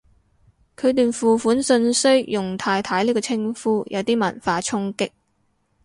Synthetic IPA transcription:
kʰɵ˨˧ɥt̪yː˨nfuː˨fuː˨˥nsɵ˧nsɵ˥ɥjʊ˨˩ŋt̪ʰaː˧jt̪ʰaː˨˥jliː˥kɔː˧t͡sʰɪ˥ŋfuː˥jʔɐ˨˧wt̪iː˥mɐ˨˩nfaː˧t͡sʰʊ˥ŋkɪ˥k̚

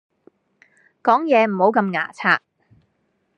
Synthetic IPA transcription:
kɔː˨˥ŋjɛː˨˧m̩˨˩ho˨˥wkɐ˧mŋa̰ː˨˩t͡sʰaː˧k̚

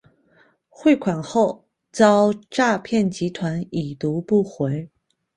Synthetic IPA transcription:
xwe˥˩ɪkʰwa˨˩nxo˥˩ʊ | t͡sɑ˥ʊʈ͡ʂa˥˧pʰjɛ˥˩nt͡ɕi˧˥t̪ʰwa˧˥ni˨˩t̪u˧˥pu˥˩xwe˧˥ɪ

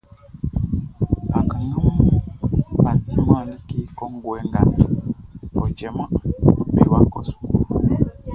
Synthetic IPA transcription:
a˨ka˨ŋɡa˦m˦u˦a˨t͡si˦m˦a˦˨ndi˦ki˦kɔ˦ŋ˦ɡu˨ɛ˦ŋɡa˨ndu˨ɔ˨d͡ʒɛ˨ma˦o˨bi˨wa˦kɔ˨su̥˨ku˨

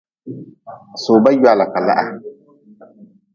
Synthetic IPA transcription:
soː˨ba˦jwa˨la˨ka˨la̰˦ʔa̰˨

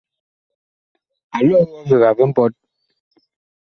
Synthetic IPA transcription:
a˨lɔ˦ɣɔ˦ɣə˨ɣa˨və˦m̩˦pɔ˦t̚

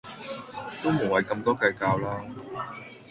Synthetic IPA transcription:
t̪o˥wmo˨˩wɐ˨˩jkɐ˧mt̪ɔː˥kɐː˧jkaː˧wlaː˥

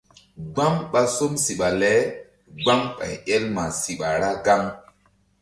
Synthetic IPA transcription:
ɡ͡ba˦ŋɓa˦so˦msi˨ɓa˨lɛ˨˦ | ɡ͡ba˦ŋɓa̰˨jɛ˦lma˨si˨ɓa˨ɾa˦ɡa˦ŋ

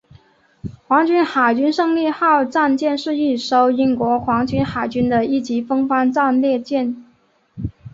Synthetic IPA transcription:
kwɑ˧˥ŋt͡ɕy˥nxa˨˩ɪt͡ɕy˥nʂɤ˥˧ŋljɛ˥˧xɑ˥˧ʊʈ͡ʂa˥˧nt͡ɕjɛ˥˧nʂɻ̩˥˧i˥˩ʂo˥ʊi˥nkwɔ˧˥xwɑ˧˥ŋt͡ɕy˥nxa˨˩ɪt͡ɕy˥nd̪ə˨i˥˩t͡ɕi˧˥fɤ˥ŋfa˥nʈ͡ʂa˥˧nljɛ˥˧t͡ɕjɛ˥˩n

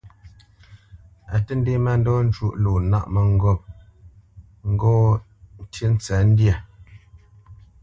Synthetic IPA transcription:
a˨tə˦n̩˦de˦ma˦˨n̩˦dɔ˦n̩˦t͡ʃu˦˨ʔlo˨na̰˦ʔmə˨ŋ̩˦ɡɔ˦˨p̚ | ŋ̩˦ɡɔ˦ | n̩˦˨tə˦n̩˦t͡sa˨˦n̩˦dja˨

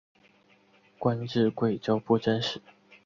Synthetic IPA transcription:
kwa˦˥nʈ͡ʂɻ̩˥˧kwe˥˨˩ɪt͡ɕjo˥ʊpu˥˨ʈ͡ʂə˥˦nʂɻ̩˨˩˦

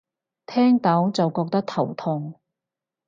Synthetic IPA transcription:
t̪ʰɛː˥ŋt̪ɐ˨˥wt͡sɐ˨wkɔː˧k̚t̪ɐ˥k̚t̪ʰɐ˨˩wt̪ʰʊ˧ŋ

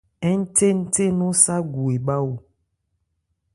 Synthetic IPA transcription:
ɛ˦n̩˦te˦n̩˦t̪e˦nũ˦sa˦ɡu˨e˨ba˦wo˨

